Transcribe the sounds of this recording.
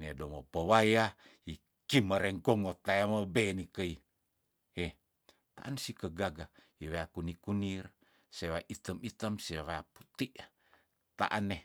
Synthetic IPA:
nedomopəwajai | kiməɾeŋkoŋot̪ajaməbenikəi | e | t̪aʔansikəɡaɡa | iβeakunikunir | seβaʔit̪əmit̪əmsiβajapu̥t̪iʔ | t̪a̰ʔane

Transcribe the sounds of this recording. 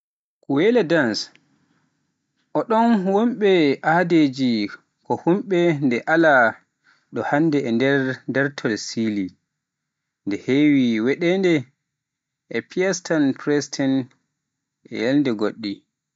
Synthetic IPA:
kuwɛlɛdans | ʔɔɗɔnwomɓɛʔaded͡ʒi | kɔhumɓɛndɛʔala | ɗɔhanːdɛɛndɛndɛɾtʰɔlsili | ndɛhewiwɛɗɛndɛ | ʔɛpʰiastanpɾɛstʰɛn | ʔɛ̰jɛlndɛɡoɗːi

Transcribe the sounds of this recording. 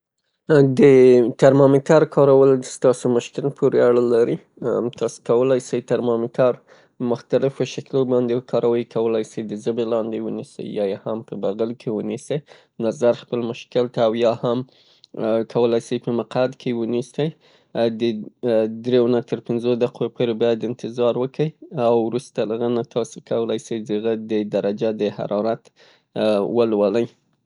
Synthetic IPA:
d̪ət̪aɾmɑmɪkaɾkʰɑɾawəlst̪ɑsomʊʃkɪlpʰuɾeaɽəlaɾi | t̪ʰɑso̥kawəlajsəjt̪aɾmɑmɪkʰaɾ | mʊxt̪alɪfoʃaklobɑnd̪ekʰɑɾʔawəjkʰawəlajsəjd̪əzəbelɑnd̪ewənisə̰jːɑjehampəbaɣalkʰewənisəj | nazaɾxpəlmʊʃkɪlt̪aːwjɑham | kʰawəlajsəjpəmaqad̪kʰewənisəj | d̪əd̪ɾewnat̪əɾpɪnzod̪aqopʰoɾebɑjad̪ɪnt̪ɪzɑɾwəkʰəjawɾust̪alaɣanat̪ʰɑsokʰawəlajsəjd̪əɣad̪əd̪aɾad͡ʒad̪əha̰ɾɑɾat̪ | wəlwaləj

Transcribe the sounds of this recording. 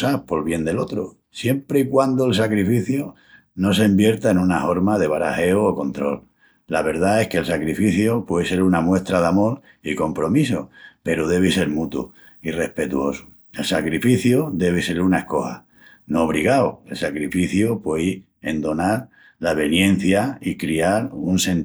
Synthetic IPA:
sapo̞lβje̞nd̪e̞lo̞t̪ɾo | sje̞mpɾeikwand̪oelsakɾifiθjo | no̞s̬e̞mbje̞ɾt̪aenunaho̞ɾmað̞e̞β̞aɾa̰he̞ooko̞nt̪ɾo̞̰lː | aβ̞e̞ɾðae̞hkelsakɾifiθjopwese̞ɾunamwe̞st̪ɾaðamo̞l | iko̞mpɾo̞misope̞ɾoð̞e̞β̞ese̞ɾmut̪ṵ | ire̞hpe̞t̪uo̞su̥ | e̞lsakɾifiθjud̪e̞β̞ese̞ɾunae̞sko̞ha̰ | noːβ̞ɾiɣaoe̞lsakɾifiθjupwei | ḛnd̪o̞naɾ | laβ̞e̞njẽ̞n̟θjaikɾiaɾunsẽ̞n

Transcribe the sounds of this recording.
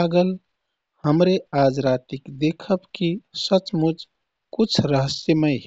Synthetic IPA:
aɡəl | həmɾeaːd͡ʒɾaːt̪ɪkd̪eːkʰəbkisət͡ʃmʊd͡ʒ | kʊt͡ʃʰɾəɦəseme

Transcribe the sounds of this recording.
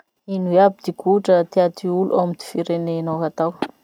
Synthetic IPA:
inuweabid̪̥ikuʈ͡ʂət̪iat̪ʰiulua̰wmid̪̥i̥fiɾenenowɦat̪aw

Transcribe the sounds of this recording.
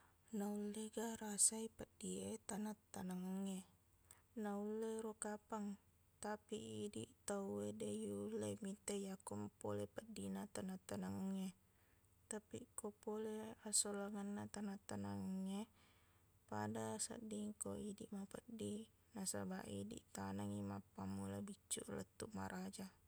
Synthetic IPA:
naulːeɡaɾasaipad̥iet̪anat̪ːanaŋəŋːe | naulːeɾokapaŋ | t̪apiːdḭʔt̪auedejulːemit̪ejakɔmpolepadinat̪anat̪ːanaŋəŋːe | t̪apikopoleasolaŋanːat̪anat̪anaŋəŋːe | pa̰dasa̰diŋkoidiʔmapədːi | nasaba̰ʔḭdḭʔt̪anaŋimapːamːulabit͡ʃːṵʔlət̪ːuʔmaɾʔad͡ʒa

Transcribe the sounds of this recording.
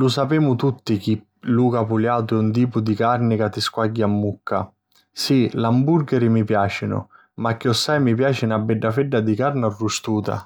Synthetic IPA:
lʊsapɛːmʊt̪ut̪ːik̟i | luːkapuljaːt̪ʊɛunt̪̬iːpʊd̪ikarnɪkat̪ːiskwaɟːamːukʰːa̰ | silamburɡɛɾɪmipjaːt͡ʃɪnʊ̰ | makːiɔsːajmipjaːt͡ʃɪnabːɛɖːafɛɖːad̪ikaɾnarːust̪uːt̪a̰

